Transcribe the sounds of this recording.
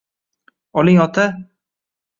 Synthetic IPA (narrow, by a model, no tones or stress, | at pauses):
ɒlɪŋɒt̪ʰa